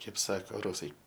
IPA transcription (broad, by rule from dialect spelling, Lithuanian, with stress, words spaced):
ˈkɐɪp ˈsɑːkoː ˈrʊsɐɪ